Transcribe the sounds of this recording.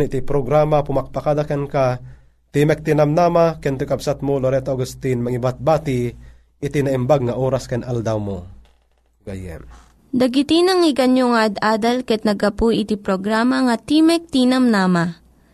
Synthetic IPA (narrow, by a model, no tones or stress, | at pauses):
nʔt̪ipɾoɡɾaːmapʊmak̚pakad̪akɛnka | t̪imɛk̚t̪inɐmnaːmakɛnt̪ʊjkɐbsat̪̚moloɾɛt̪oʔaɡust̪inmɐŋibat̪̚baːt̪i | ʔɪt̪inɐʔimbaɡ̚ŋɐʔoːɾaskɛnʔald̪awmo | ɡa̰jɛ̰m | d̪ɐɡɪt̪inɐŋɪɡɐɲjoŋaʔɐd̪ʔaːd̪ɐlkɛt̪̚nɐɡɐpujɪt̪ipɾoɡɾaːmɐŋɐt̪imɛk̚t̪inɐmnaːma